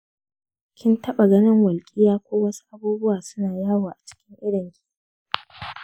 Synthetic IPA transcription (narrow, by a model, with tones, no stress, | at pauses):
kʲɪ˦ntɐ˦ɓa˨ɡɐ˦nɪ˦ŋwɐ˨lkʲʼi˦jaː˦kʷoː˦wɐ˦su̥˦ʔa˦buː˦bʊ˦waː˨sʊ˦naː˨jaː˦˨waː˨ʔa˨t͡ʃɪ̥˦kʲɪ˦ŋʔɪ˦ɽɪ˨ŋkʲi̥˨